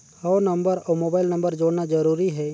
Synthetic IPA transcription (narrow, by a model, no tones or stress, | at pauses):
hɔnəmbəɾɔmoːbaːɪlnəmbəɾd͡ʒoːɽnad͡ʒəɾuːɾiɦɛː